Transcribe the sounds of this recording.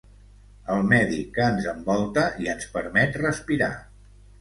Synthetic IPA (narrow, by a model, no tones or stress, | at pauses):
əlˠmɛðikənzəmbɔlˠt̪əiənspəɾmɛt̪rəspiɾa̰